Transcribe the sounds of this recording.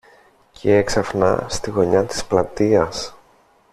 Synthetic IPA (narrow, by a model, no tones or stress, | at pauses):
cʰeeksɐfnɐ̰st̪iɣo̞ɲɐt̪i̥splɐt̪iɐs